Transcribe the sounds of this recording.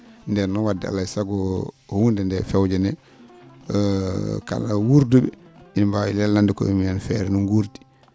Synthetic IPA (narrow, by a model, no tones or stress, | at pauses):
ndɛɾnɔwadːia̰lajsaɡɔhundɛndɛfɛwd͡ʒɛnɛ | ka̰lawuɾdubɛinbawilɛlːandikɔ̰imɛnfɛɾɛnuŋɡuɾti̥